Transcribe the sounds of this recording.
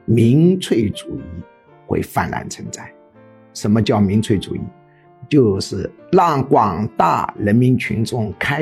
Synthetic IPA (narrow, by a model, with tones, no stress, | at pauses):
mi˧˥ŋt͡sʰwe˥˩ɪʈ͡ʂu˨˩i˥˩ | xwḛ˥˧ɪfa̰˥˩nlʔa̰˧˥nt͡sʰə˧˥nt͡sa˥˩ɪ | ʂə˧˥nmə˧t͡ɕjɑ˥˩ʊmi˧˥ŋt͡sʰwe˥˩ɪʈ͡ʂṵ˨˩ḭ˥˩ | t͡ɕjo˥˧ʊʂɻ̩˥˩lɑ˥˩ŋkwɑ˨˩ŋt̪a̰˥˩ɻə˧˥nmi˧˥nt͡ɕʰy̰˧˥nʈ͡ʂʊ˥˧˩ŋkʰa˥